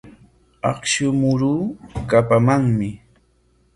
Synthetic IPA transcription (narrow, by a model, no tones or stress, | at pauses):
ɑ̰χʃʊmʊɾuːkapamaŋmɪ